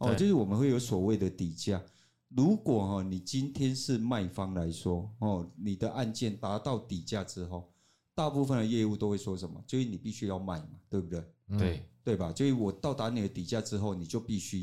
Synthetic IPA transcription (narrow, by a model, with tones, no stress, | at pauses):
ɔ˥˧˨t͡ɕjo˥˧ʊʂɻ̩˥˩wɔ˨˩mə˨˦nwe˥˩ɪjo˨˥ʊswɔ˨˩we˥ɪd̪ə˨t̪i˨˩t͡ɕja˥˨ | lu˧˦˥kwɔ˨˩hɔ˥˩ni˨˩t͡ɕi˦nt̪ʰjɛ˦nʂɻ̩˥˧˨ma˥˩ɪfɑ˦ŋla˨˦ɪswɔ˦hɔ˥˩ni˨˩d̪ə˦ʔa˥˧nt͡ɕjɛ˥˨nt̪a˨˧˥t̪ɑ˥˩ʊt̪i˨˩t͡ɕja˥˨ʈ͡ʂɻ̩˦ɦo˥˩ʊ | t̪a˥˧pu˥˧fə˥˨nd̪ə˩jɛ˥˧u˥˧t̪o˥ʊwe˥˩ɪswɔ˥ʂə˨˦nmɐ̰˨˩t͡ɕjo˥˧y˥˩nĩ˨˩pi˥˩ɕy˦ja˥˧ʊma˥˩ɪma˨t̪we˥˩ɪbu˨˩t̪we˥˩ɪe˥˩t̪we˥˩ɪba˨t͡ɕjo˥˧y˥˩wɔ˨˩t̪ɑ˥˩ʊt̪a˧˥ni˨˩d̪ə˦t̪i˨˩t͡ɕja˥˧ʈ͡ʂɻ̩˦ɦo˥˩ʊni˨˩t͡ɕjo˥˧ʊpi˥˩ɕy˦˥